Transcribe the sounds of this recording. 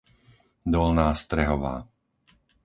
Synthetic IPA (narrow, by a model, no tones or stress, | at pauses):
d̪ɔlnaːst̪ɾɛɦɔʋa̰ː